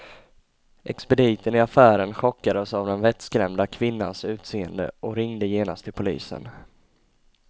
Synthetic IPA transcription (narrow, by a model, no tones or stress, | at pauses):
ʔɛ̰kspɛd̪iːt̪ənɪafæːɾənɧɔkːad̪əsavd̪ɛnvɛt̪skɾɛmd̪akʰvɪnːa̰nsʉ̟ːt̪seːənd̪ə̰ʔɔɾɪŋd̪əjeːna̰st̪ʰːɪlpʰʊlḭːsə̰n